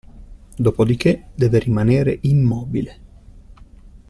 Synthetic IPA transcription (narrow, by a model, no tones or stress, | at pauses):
d̪oːpod̪ik̟ed̪ɛːveɾimaneːɾḛʔimːɔːbile